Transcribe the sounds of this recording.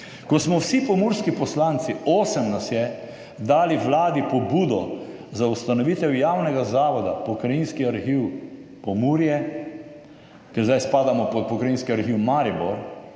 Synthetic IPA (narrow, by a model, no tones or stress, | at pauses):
kɔsmɔwsipɔmuɾskipɔslaːnt̪sioːsɛmnasjɛ | d̪aːliʋlaːd̪ipɔbuːd̪ɔzaust̪anɔʋiːt̪ɛwjaːwnɛɡazaːʋɔd̪a̰pɔkɾajinskiaɾxiːwpɔmuːɾjɛ | kɛɾzd̪ajspaːd̪amɔpɔt̪̚pɔkɾajiːnskiaɾxiːwmaɾibɔɾ